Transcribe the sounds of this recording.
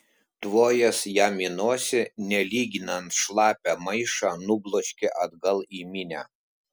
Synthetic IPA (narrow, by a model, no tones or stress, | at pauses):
t̪ʋoːjɛsjaːmʲinoɔsʲɪnʲɛlʲiːɡʲɪnɐnt̪ʃlˠɑːpʲæmɐɪʃɑnʊblˠoːʃʲkʲɛʔɐd̪ɡɐlˠiːmʲɪnʲæː